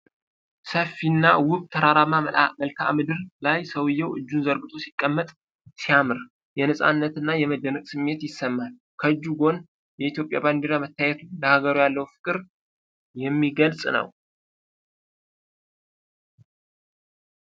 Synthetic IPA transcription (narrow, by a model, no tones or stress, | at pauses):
səfːinːawʊβt̪ʰəɾaɾamaməlkʰa̰mɨd̪ɨɾlajsəwɨjːɛwʔɨd͡ʒːunzəɾɡɨt̪ʰo̞sikʼːəmːət̪ʼ | sijamɨɾ | jɛnəsʼa̰nːət̪ɨnːajɛməd̪ːənəkʼsɨmːe̞t̪jɪsːəmːal | kʰəɨd͡ʒːuɡo̞n | jɛit̪jo̞pʼja̰band̪eɾamət̪ʰːajɛt̪uləhaɡəɾujalːəwufɨ̥kʼɨɾ | jɛmːiɡəlsʼnə̰w